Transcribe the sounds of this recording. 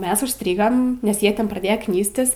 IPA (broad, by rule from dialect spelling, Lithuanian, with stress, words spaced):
ˈmʲɛs ʊʃʲˈsʲtʲrʲiːɡɐm nʲɛs ˈjiɛ ˈtʲɛn prɐˈdʲeːjɛ ˈknʲiːsʲtʲɪs